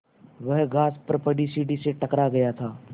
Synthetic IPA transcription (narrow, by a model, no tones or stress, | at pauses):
ʋəɦɡaːspɾpəɖisiːɖiseʈɐkɾaɡɐjat̪ʰaː